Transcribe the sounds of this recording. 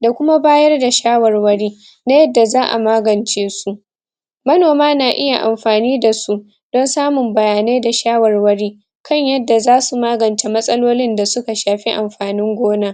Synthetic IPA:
da˨kʷʊ˦ma˦baː˦jɐ˦rda˨ʃaː˦wɐ˨rwɐ˦ɽiː˦ | na˦jɐ˦dːa˨zaː˦ʔa̰˨maː˦ɡɐ˨nt͡ʃeː˦su˦ʔ | mɐ˦noː˨maː˦naː˨ʔɪ˦ja˨ʔa̰˨mɸaː˨niː˦da˨su˦ | d̥ɔ˦nsaː˦mʊ˨mbɐ˨jaː˨ne˦da˨ʃaː˦wɐ˨rwɐ˦ɽiː˦ | kʰɐ˦˨ɲjɐ˦dːa˨zaː˦su˨maː˦ɡɐ˨nt͡ʃe˨mɐ˦sʼɐ˦loː˦lɪ˦nda˨sʊ˦ka˨ʃaː˨ɸi˦ʔa˨mɸaː˨nɪ˦ŋɡʷoː˦naː˦

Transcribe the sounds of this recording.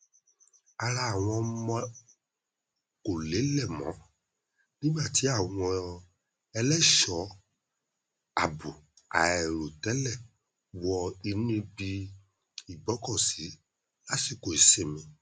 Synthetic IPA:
a˨ɾa˧˨w̃ɔ̃˧mɔ̃˧ | ko˨le˨˦lɛ˦˨mɔ̰̃˨˦ | nĩ˦ma˦˨ti˨˦a˦˨w̃ɔ̃˧ | ɛ˧lɛ˦ʃɔ˨˦ | a̰˨bu˨ | a˨ɛ˨ɾo˨tɛ˨˦lɛ˦˨ | wɔ˧i˧nũ˦bi˧ | i˨bɔ˨˦kɔ˦˨si˨˦ | la˦si˦˨ko˨i˨se˨mĩ˨

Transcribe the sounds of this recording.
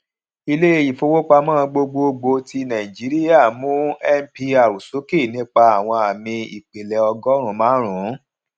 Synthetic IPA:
i˧le˦e˦˨ji˨fo˧wo˦k͡pa˧mãː˦˧ɡ͡bo˧ɡ͡bo˧ɡ͡bo˧ti˧nã˨i˨d͡ʒi˨˦ɾi˦ja˦˨mũ˦ɛ˦m̩˦pi˧a˨ɾu˨so˨˦ki˦˨nĩ˦k͡pa˧a˨w̃ɔ̃˧a˨mĩ˧ḭ˨k͡pe˨lɛ˨ɔ˧ɡɔ˦ɾ̃ũ˨˦mãː˨˦ɾ̃ũ˨˦

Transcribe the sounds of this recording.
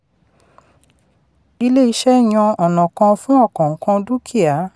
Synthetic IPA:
i˧le˦i˧ʃɛ˦˨j̃ã˧ɔ˨nɔ̃˨kã˧fũ˦ɔ˦˨kɔ̃˨ŋ̩˨kã˧du˦kʰi˦˨a˨˦

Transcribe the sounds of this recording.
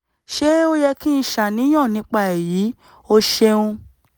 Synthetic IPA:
ʃe˦o˦jɛ˧ki˦n̩˧˦ʃa˨nĩ˨˦j̃ã˦˨nĩ˨˦k͡pa˦˨e˨ji˨˦ | o˦ʃe˧ũ˧

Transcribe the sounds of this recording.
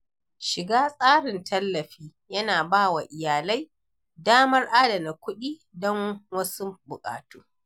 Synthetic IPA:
ʃɪ˨ɡaː˦sʼaː˦ɽɪ˨ntʰɐ˦lːɐ˨ɸiː˦ | jɐ˦naː˨baː˦˨wa˨ʔɪ˨jaː˨la˦j | daː˦mɐ˦rʔaː˦dɐ˨na˨kʷʊ˦ɗiː˦ | dɔ˦ŋwɐ˦su˦bʊ˨kʼa̰ː˨tuː˦

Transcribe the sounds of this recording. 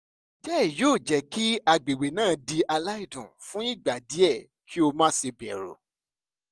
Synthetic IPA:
d͡ʒɛ˦i˨joː˦˨d͡ʒɛ˨˦ki˦a˧ɡ͡be˨we˨nãː˦˨˦di˧ʔa˧la˦i˦˨dũ˨fũ˦i˦˨ɡ͡ba˨di˨˦ɛ˦˨ | kʰi˦o˧mã˦se˧bɛ̰˨ɾo̰˨

